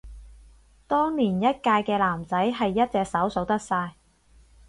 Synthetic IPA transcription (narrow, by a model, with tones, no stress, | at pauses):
t̪ɔː˥ŋliː˨˩njɐ˥t̚kaː˧jkɛː˧laː˨˩mt͡sɐ˨˥jɦɐ˨jːɐ˥t̚t͡sɛː˨k̚sɐ˨˥wso˨˥wt̪ɐ˥k̚saː˧j